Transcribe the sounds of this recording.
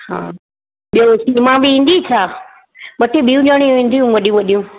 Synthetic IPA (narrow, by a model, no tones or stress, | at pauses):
hã̰ː | ɓijosimãːɓiĩːn̆d̪it͡ʃʰaː | ɓɐʈiɓijũɲəɽ̃iʋẽːn̆d̪ʱijũʋɐɗijũʋɐɗijũ